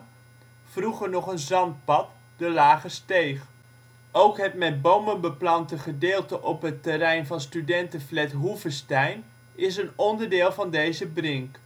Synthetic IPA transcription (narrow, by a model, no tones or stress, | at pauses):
fruχəɹnɔχənzɑnt̚pɑt | d̥əlaːχəstejχ | owkɦətmɛd̚bowmənbəplɑntəχədɪːlˠtəʔɔpɦətəɾɛjnvɑnstydɛntəflɛtɦuvəstɛjn | ɪs̬ənɔndəɹdɪːlˠvɑndejzəbrɪŋk